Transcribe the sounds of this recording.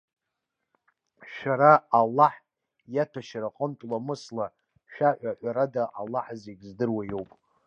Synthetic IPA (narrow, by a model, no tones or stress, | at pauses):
ʃᶣaɾaːlːaħ | jatʰaʃaɾaqʼəmtʼlamɨsla | ʃᶣaħʷaħʷaɾadaʔalːaħzeɡʲzdɨrwajo̞wpʼ